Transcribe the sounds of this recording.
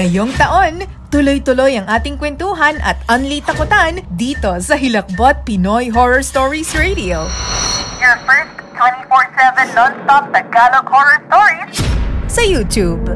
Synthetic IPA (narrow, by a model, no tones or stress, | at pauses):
ɐjoŋt̪ɐʔo̞n | t̪ʊlojt̪ʊlo̞jɐŋʔaːt̪ɪŋkwɛnt̪uːɦɐnʔɐ̰t̪ʔɐnlit̪ɐkʊt̪and̪iːt̪o̞sɐɦɪlɐk̚bot̪̚pɪnojɦoɹɔɹst̪oɹisɹejd̪io | jafɛɹstt̪ʰːwɛ̃ntifɔɹsɛvɛ̃nlɔ̃nst̪ɔp̚d̪ɐɡalokhɔɹɔɹst̪ɔɹissɐjuːt̪jub